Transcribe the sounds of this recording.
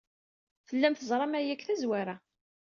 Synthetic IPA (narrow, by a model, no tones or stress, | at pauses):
θəlːæmθəzˤɾˤɑmæjækθæzwaɾæ